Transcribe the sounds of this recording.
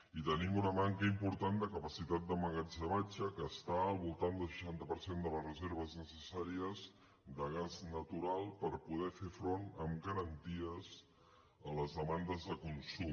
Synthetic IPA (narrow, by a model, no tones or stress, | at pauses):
it̪ənimunəmaŋkəimpuɾt̪and̪əkəpəsit̪at̪̚d̪əməɣad͡ʒəβat͡ʃəkəːst̪aəlˠβulˠt̪and̪əlˠʃə̥ʃant̪əpəɾsend̪ələzrəzeɾβ̞əznəsəsaɾiəz | d̪əɣ̞aznət̪uɾalˠpəɾpuð̞ɛfefɾonəmɡəɾənt̪iəz | ələzðəmand̪əzðəkunsu